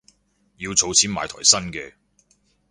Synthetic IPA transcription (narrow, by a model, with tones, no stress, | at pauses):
jiː˨˧wt͡sʰo˨˧wt͡sʰiː˨˥nma̰ː˨˥t̪ʰɔ̰ː˨˩jsɐ˥nkɛː˧